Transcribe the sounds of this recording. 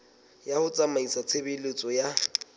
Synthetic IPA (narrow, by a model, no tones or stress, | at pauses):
jahʊt͡sʼamaisat͡sʰebɪlet͡sʼɔja